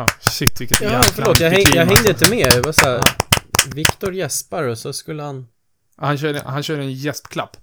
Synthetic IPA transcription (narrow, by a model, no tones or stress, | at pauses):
ɪt̪ːvɪkːəjafœɾɭoːt̪jaːhɛŋjjaɡɦɛŋd̪əɪnt̪əmeːvasaæ | vɪkt̪ʊɾjɛspaɾɔsɔskɵlːəhan | hanɕœːɖə̰hanɕœːɖəɛnjɛspkʰlapː